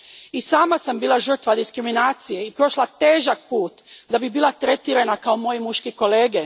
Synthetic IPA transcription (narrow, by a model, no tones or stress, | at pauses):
isaːmasambiːlaʒr̩t̪ʋad̪iskɾiminaːt̪sijeipɾo̞ʃlˠat̪e̞ːʒak̚puːt̪d̪abibiːlˠat̪ɾe̞t̪iɾenakaomoːjimuʃkiko̞leːɡe